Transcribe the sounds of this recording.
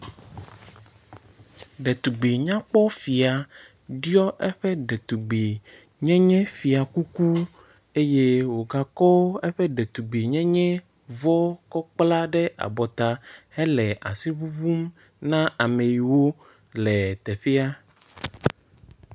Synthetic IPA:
ɖɛ˨t̪u˨ɡ͡bi˨ɲã˦k͡pɔ˦fi˨a˨ | ɖi˦ɔ˦ʔɛ˦ɸɛ˦ɖɛ˨t̪u˨ɡ͡bi˨ | ɲɛ̃˦ɲɛ̃˦fi˨a˨ku˦ku˦ | e˦je˦wo˨ɡa˨kɔ˦ɛ˦ɸɛ˦ɖɛ˨t̪u˨ɡ͡bi˨ɲɛ̃˦ɲɛ̃˦ | vɔ˦kɔ˦k͡pla˦ɖɛ˦ʔa̰˨bɔ˨t̪a˨hɛ˦lɛ˨ʔa̰˨si˦βu˦βu˦m | nã˦ʔa˨me˨ji˨wo˦ | lɛ˨t̪ɛ˨ɸɛ˦a˦

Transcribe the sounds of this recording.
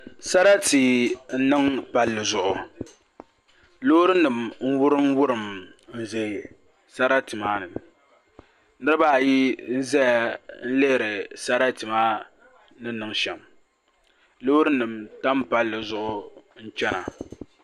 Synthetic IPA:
sa˦ɾa˦ti˨n̩˦nɨ˦ŋpa˨lːɨ˨zʊ˨ʔʊ˨ | lo˦ɾɨ˦nɨ˨mn̩˦wʊ˦ɾɨ˦mwʊ˦ɾɨ˨mn̩˨ze˨ | sa˦ɾa˦tɨ˨maː˦nɨ˨ | nɨ˦ɾɨ˦baː˦˨ji˦n̩˦zɛ˦ja˨n̩˦le˦hɾɨ˨sa˦ɾa˦tɨ˨maː˦ | nɨ˦nɨ˨ŋʃɛ˨m | lo˦ɾɨ˦nɨ˨mta˦mpa˦lːɨ˨zʊ˦ʔʊ˦n̩˦t͡ʃɛ˦na˨

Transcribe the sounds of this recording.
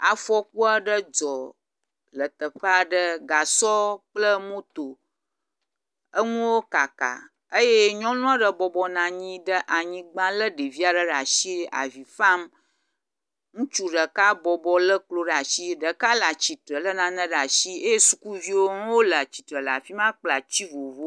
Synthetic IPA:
a˨fɔ˦k̚u˦a˨ɖə˦d͡zɔ˨ | lə˨t̪ə˨ɸə˦a˨ɖə˦ɡa˨sɔ˦k͡plə˦mõ˦t̪o˨ | ə˦ŋũ˦wo˦ka˨ka̰˨ | ə˦je˦ɲɔ̃˦nũ˦a˦ɖə˨bɔ˨bɔ˨nã˨ɲĩ˦ɖə˦ʔa˨ɲĩ˨˦ɡ͡bã˦lə˦ɖə˨vi˦a˨ɖə˦ɖa˨ʃi˦a̰˨vi˨fa˦m | ŋũ˦t͡ʃu˦ɖə˨ka˦bɔ˨bɔ˨lə˦k͡plo˦ɖa˨ʃi˦ɖə˨ka˦la˨t͡ɕi˨tɾə˨lə˦nã˨nə̃˦ɖa˨ʃi˦e˦je˦su˨ku˦vi˦wo˦ŋũ˦wo˦la˨t͡ɕi˨t̪ɾə˨la̰˨fi˦mã˦k͡pla˨t͡ɕi˦vo˨vo˦

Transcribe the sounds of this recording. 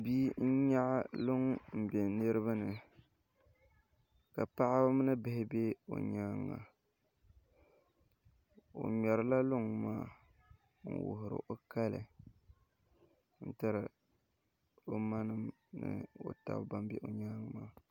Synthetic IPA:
bi˦n̩˦ɲa˦ʔlʊ˦ŋm̩˨be˨nɨ˦ɾɨ˦βa˦nɨ˨ | ka˨pa˦ʔɪ˦bmɨ˦nɨ˦bɪ˦hɪ˦be˦o̰˨ɲa˦ŋːa̰˨ | o̰˨ɲɔ˨ɾɨ˦la˦lʊ˦ŋmaː˦ | n̩̰˦˨wʊ̰˨ɦʊ˨ɾɨ̰˨ʔo˦ka˦lɨ̰˨ | n̩˦ta˦ɾɨ˨ | o˦ma˦nɨ˦m | nɨ̰˨o̰˨ta̰˨bba˦m˦bḛ˦ʔo˨ɲaː˦ŋ˦maː˦

